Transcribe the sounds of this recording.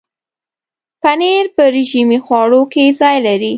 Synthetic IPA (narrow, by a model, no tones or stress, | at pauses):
paneɾpəɾɪʒimixwɑɽokezɑjlaɾi